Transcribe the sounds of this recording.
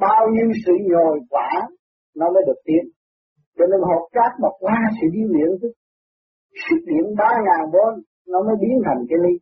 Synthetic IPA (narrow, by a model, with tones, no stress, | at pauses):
ɓaː˧wɲi˧wsɨ̰˧˨ɲo˨˩jkwaː˧˩˦ | nɔ˨˦məː˨˦jɗɨ˨˩ək̚t̪i˧˦ən | t͡ɕɔ˧ne˧nɦo˨˩p̚t͡ɕaː˦˥k̚ma˨˩k̚waː˧sɨ̰˧˥ɗi˧lḭ˧˨ənt̪ʰɨ˦˥k̚ | sɨ˦˥k̚ɗḭ˧˨ənɓaː˧ŋaː˨˩nɓo˧n | nɔ˨˧˦məː˨˦jɓi˨˦ənt̪ʰa˨˩jŋ̟kaː˨˦jli˧